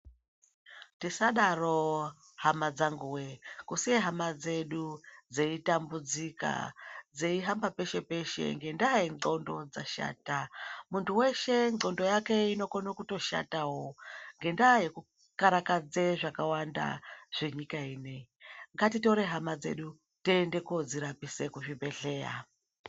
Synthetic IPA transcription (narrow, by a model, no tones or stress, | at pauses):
tisaɗaro̞ | hamad͡zaŋɡuwekusijeɦamad͡ze̞ɗud͡zeitambud͡zika̰d͡zeiɦambape̞ʃe̞pe̞ʃe̞̰ŋɡe̞ndaːjeŋ͡ǃo̞ndo̞d͡za̰ʃa̰ːtamuntʰuwe̞ʃe̞ǀo̞ndo̞jake̞ino̞konokuto̞ʃa̰tawo̞ŋɡe̞ndajeku | kaɾakad͡zeʐakawanda̰ʐ̥e̞ɲikaiːneiŋɡatito̞ɾe̞ɦamad͡ze̞̰ɗu | teːnde̞kod͡ziɾapise̞kuʐibʱe̞ɬe̞ːra̰